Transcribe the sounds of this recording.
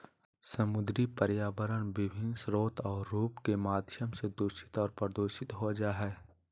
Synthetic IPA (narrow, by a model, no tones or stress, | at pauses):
sɐmʊd̪ɾipəɾjaːʋəɾəɽ̃ʋɪbʱɪnsɾoːt̪ɔːɾːuːpkemaːd̪ʱjəmsed̪ʊʃɪ̥t̪ɔːɾpəɾd̪oːʃɪt̪ɦod͡ʒaɦɛ